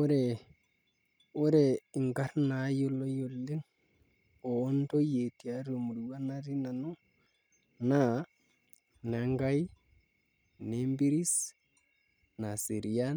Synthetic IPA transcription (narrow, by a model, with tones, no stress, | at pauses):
o˦ɾe˨ | o˦ɾe˨i˨ŋɡa˦ɾna˨˦jo˦lo˦jo˨lːi˦ŋ | oː˨˦nto˦je˨ti˨a˨ɾo˨mu˨ɾu˨wa˦na˦ɾi˦na˨no˦ | na˦˨ | na˨ŋɡa˦j | ne˦mbi˦ɾi˦s | na˨si˨ɾi˨ja˦n